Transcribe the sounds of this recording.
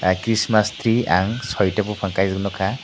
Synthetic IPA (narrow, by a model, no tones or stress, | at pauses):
kɾismast̪ɾiaŋsɔjʈapɔpʰaŋkajzɡnɔkʰa